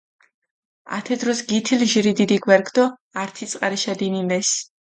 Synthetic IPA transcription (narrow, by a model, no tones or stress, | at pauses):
a̰t̪ʰɛd̪ɾɔsɡit̪ʰilʒiɾid̪id̪iɡwɛɾkʰd̪ɔ | aɾt̪ʰit̪sʼqʼaɾiʃad̪inilɛs